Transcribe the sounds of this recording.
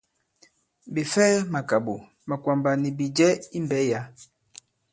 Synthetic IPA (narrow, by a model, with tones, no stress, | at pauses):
bi˨fɛ˦ma˨ka˨bo˨ | ma˨kwa˨mba˨ni˨bi˨d͡ʒɛ˦i˦mbɛ˦ja˦